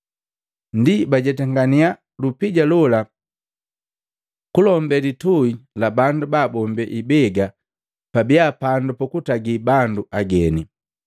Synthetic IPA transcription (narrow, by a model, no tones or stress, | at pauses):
ndibaɟɛtɛŋɡania | lupiɟalɔla | kulɔmbɛlituilabandubaːbɔmbɛʔibɛɡa | pabiapandupɔkutaɡibanduʔaɡɛni